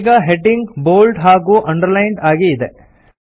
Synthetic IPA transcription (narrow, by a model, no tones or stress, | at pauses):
ɡɐɦeʈiŋɡboːlɖɦaːɡuːʔɐɳɖɐɾlɐjɳɖaːɡiːd̪e